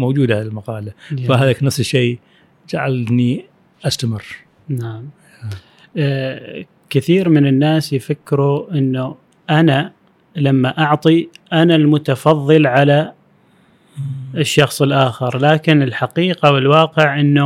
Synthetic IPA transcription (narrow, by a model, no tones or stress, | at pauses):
mowd͡ʒuːd̪aɪlmaqɑːlafaɦaːðaknafsʃːeː | d͡ʒaʕalni | ʔast̪amɪrː | naʕam | kɪθiːɾmɪnɪnːaːsjfakːɾuʔɪnːu | ʔana | lamːaʔɑʕt̪ˤiʔanalmʊt̪ɑfɑðˤːɨlʕala | ɪʃːɑxsˤəlʔaːxɪɾlaːkɪnɪlħaqiːqawɪlwɑːqɪʕʔɪnːu